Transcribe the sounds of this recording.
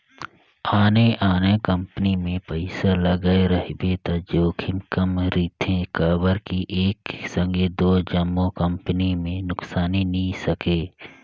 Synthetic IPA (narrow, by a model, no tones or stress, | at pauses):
aːneʔaːnekə̃mpənimẽpəɪsaləɡaeɾəɦbet̪ad͡ʒoːkʰɪmkəmɾiːt̪ʰẽkaːbəɾkiʔeːksə̃ŋɡed̪oːd͡ʒəmːokə̃mpənimẽnʊksaːninisɐkeː